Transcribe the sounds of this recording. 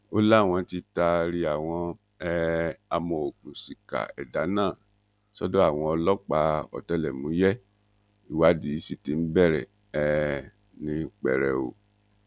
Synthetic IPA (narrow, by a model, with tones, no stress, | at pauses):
o˦la˦˨w̃ɔ̃˧ti˧ta˧ɾi˧a˨w̃ɔ̃˧ | ɛ˧a˧mɔ̃˧o˨kũ˨si˨ka̰˨ɛ̰˨da˨˦nãː˦˨ | sɔ˦dɔ̃˦a˦˨w̃ɔ̃˧ɔ˧lɔ˦k͡pa˨˦ɔ̰˨tɛ˧lɛ˨mũ˨˦jɛ˦ | i˨wa˨˦di˨˦si˦˨ti˨˦m̩˦bɛ˦˨ɾɛ˨ | ɛ˦˧ | nĩ˧˦k͡pɛ˨ɾɛ˨o̰˨